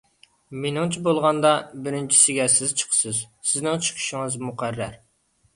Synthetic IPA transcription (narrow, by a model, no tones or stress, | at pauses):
menɪŋt͡ʃʰibolˠʁɑnd̪ɑbɪɾɪnt͡ʃʰi̥sɪɡʲɛsɪz̥t͡ʃʰə̥qʰsɨzsɪznɪŋt͡ʃʰɨ̥qʰi̥ʃɪŋɨzmuqʰæɾːæɾ